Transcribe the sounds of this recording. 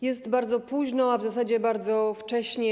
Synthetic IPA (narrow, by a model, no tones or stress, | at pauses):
jɛst̪baɾd̪zɔpuʑnɔavzasad͡ʑɛbaɾd̪zɔft͡ʂɛɕɲɛ